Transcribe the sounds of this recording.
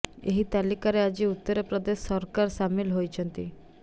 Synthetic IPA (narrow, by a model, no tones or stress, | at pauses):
ḛɦiːt̪alikaɾead͡ʑiːut̪ːəɾəpɾəd̪esːəɾkaɾsamiːlɦojt͡ɕʰə̃nt̪ḭ